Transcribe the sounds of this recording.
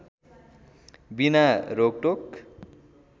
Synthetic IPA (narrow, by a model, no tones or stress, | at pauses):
binaɾoɡ̚ʈok